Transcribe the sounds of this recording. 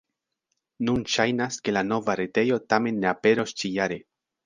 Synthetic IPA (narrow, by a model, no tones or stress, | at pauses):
nunʃajnaske̞lano̞vaɾete̞jo̞tame̞nːe̞ape̞ɾo̞st͡ʃijaɾe̞